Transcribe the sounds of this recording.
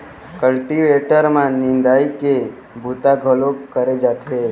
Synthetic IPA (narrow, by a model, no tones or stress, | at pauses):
kəlʈiʋeʈəɾmãnind̪aike | bʱut̪aɡʱəlokəɾed͡ʒat̪ʰe